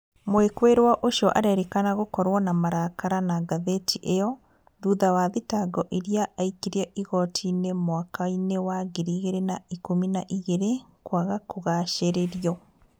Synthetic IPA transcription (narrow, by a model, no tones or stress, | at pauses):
mwekweɾwaʔoʃiɔʔaɾɛɾekanaɣokɔɾwɔnamaɾakaɾanaɡaðetʰiʔejɔ | ɾuðawaðitaɡɔʔeɾjaʔaikiɾɛʔiɣɔtʰinemwakainewaɣeɾiɣeɾenaikominaʔiɣeɾekwaɣakoɣaʃeɾeɾiɔ